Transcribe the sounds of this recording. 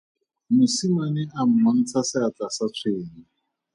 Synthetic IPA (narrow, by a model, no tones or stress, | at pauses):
mʊsimanɪʔam̩man̩t͡sʰasɪat͡sasat͡sʰweːŋi